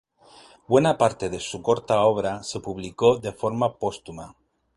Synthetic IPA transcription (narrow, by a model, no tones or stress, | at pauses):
bwenapaɾt̪eðesukoɾt̪aoβ̞ɾasepuβ̞likoðefoɾmapost̪uma